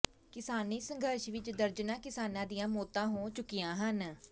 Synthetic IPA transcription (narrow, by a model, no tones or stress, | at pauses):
kɪsaːniːsəŋɡʱəɾʃʋɪt͡ʃd̪əɾd͡ʒnaːkɪsaːnãːd̪ijãːmoːt̪ãːɦoːt͡ʃʊkːijãːɦən